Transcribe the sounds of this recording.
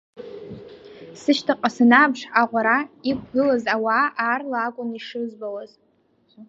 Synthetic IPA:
sɨʃtʰaqʼasanabʂaʁʷaɾaikʷʰɡɨlazawaaːrlaːkʷʼʊniʂɨzbawaz

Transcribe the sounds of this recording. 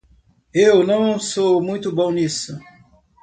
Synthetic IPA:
ewnɐ̃w̃somũj̃t̪ʊbõw̃nisu

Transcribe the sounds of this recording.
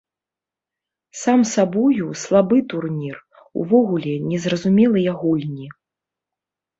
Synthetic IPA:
samsabɔjuslˠabɨt̪urnʲir | ṵvɔɣulʲɛnʲɛzrɐzumʲɛlˠɨjaɣulʲnʲi

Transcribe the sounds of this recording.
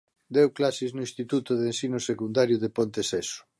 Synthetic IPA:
d̪ewklasiznʊĩnst̪it̪ut̪ʊðensinosekund̪aɾjʊðepont̪esɛsʊ̥

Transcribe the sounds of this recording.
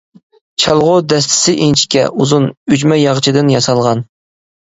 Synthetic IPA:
t͡ʃʰɑlˠʁʊd̪ɛs̬t̪ʰɪ̥sɪʔint͡ʃʰi̥kʲɛ̰ʔuzunyd͡ʒmɛjɑʁt͡ʃʰid̪ɪnjɑsɑlˠʁɑn

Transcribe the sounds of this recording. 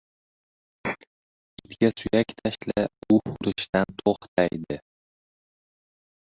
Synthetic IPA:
ɪt̪kʲasʊjakʲt̪ʰaʃlaʊhʊɾɪʃt̪ant̪ʰoχt̪ʰajd̪ɪ

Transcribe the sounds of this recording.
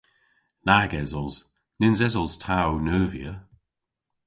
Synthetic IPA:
naɡɛzɔlˠz̥ | nɪnzɛzɔlˠz̥tʰawnəːvjə

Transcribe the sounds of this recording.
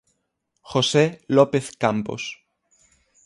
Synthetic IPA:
xoselopeθkampo̰s

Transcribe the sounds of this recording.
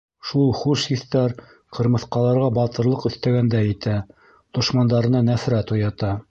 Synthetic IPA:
ʃulˠχʉʃhiθt̪æɾ | qʰɤ̆ɾmɤ̆θqɑlˠɑɾʁɑbɑt̪ɤ̆ɾlˠɤqɵ̆θt̪æɡænd̪æjɘ̆t̪æ | d̪̥ŏʃmɑnd̪ɑɾɤ̆nɑnæfɾæt̪ujɑt̪ɑ

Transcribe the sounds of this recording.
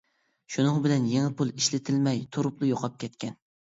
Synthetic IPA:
ʃunɨŋbɪlɛnjeŋɪpulˠiʃlɪt̪ʰɪlmɛjt̪ʰoɾʊplˠʊjoqʰɑp̚kʲʰɛt̪kʲɛn

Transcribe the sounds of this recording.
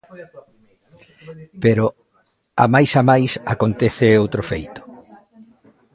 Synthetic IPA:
peɾʊ | a̰majsamajsakont̪eθɪowt̪ɾofejt̪ʊ̥

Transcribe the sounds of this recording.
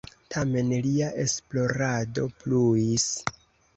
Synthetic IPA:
tʰame̞nliaʔe̞splo̞ɾado̞pluis

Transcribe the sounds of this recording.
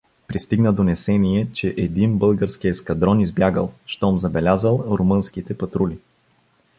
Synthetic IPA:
pɾist̪iɡnəd̪onɛsɛniɛt͡ʃɛʔɛd̪inbɤlˠɡəɾsk̟ijəskɐd̪ɾɔnizbjaɡə̰lˠʃt̪ɔmzɐbɛlʲazəlˠɾomɤnskit̪ɛpɐt̪ɾuli

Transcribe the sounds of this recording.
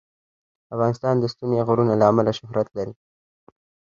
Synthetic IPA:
afɣɑnɪst̪ɑnd̪əst̪umeɣʊɾunalaːmalaʃʊhɾat̪laɾi

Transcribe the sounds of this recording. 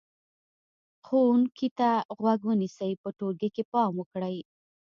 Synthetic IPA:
xouŋkit̪aɣwaɡwənisajpəʈoɾɡekepɑmwəkɽəj

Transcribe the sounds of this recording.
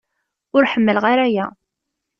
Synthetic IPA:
ʊɾħəmːəlʁaɾæjæ

